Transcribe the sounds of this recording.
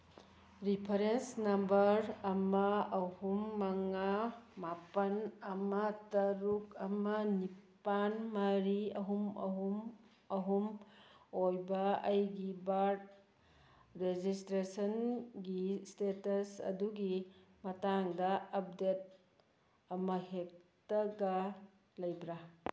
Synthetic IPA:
ɾipʰɐɾensnɐmbɐɾɐmɐɐhumːɐŋamapɐnɐmɐtɐɾukɐmɐnipanmɐɾiɐɦumɐ̰ɦum | ɐɦum | ojbɐɐjɡibaɾd | ɾed͡ʒistɾesɐnɡistetɐsɐ̰duɡimɐtaŋdɐɐp̚det̚ | ɐmɐɦek̚tɐɡɐ | lɐjbɾa

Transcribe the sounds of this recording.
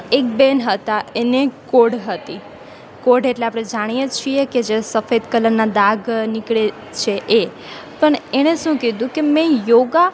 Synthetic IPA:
ek̚benɦət̪aenekoɽɦət̪i | koɖeʈleapɽ̃ed͡ʒaɽ̃ijet͡ʃʰieked͡ʒesəfed̪kələnːad̪aɡnɪkɭe | t͡ʃʰeʔe | pəɳeɽ̃eʃũked̪ũkemɛ̃joɡa

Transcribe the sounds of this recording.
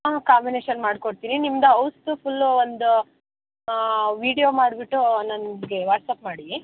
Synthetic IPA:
kaːmbineːʃɐnmaːɖkoɽt̪iːninimd̪ɐɐwst̪upʰulːond̪u | ʋiːɽijoːmaːɽbiʈːunɐnɡeʋaːʈsaːpmaːɽi

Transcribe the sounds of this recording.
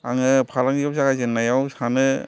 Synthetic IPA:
aŋɯpʰalaŋiap̚saɡazɯnːajawsanɯ

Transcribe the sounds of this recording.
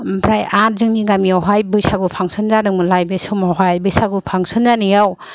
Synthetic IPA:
bʰɾajat̚zɯŋniɡamijawɦajbɯjsaɡupʰaŋsʰɯnzanɯŋmɯlajbesumawɦajbɯjsaɡupʰaŋsɯnzanijaw

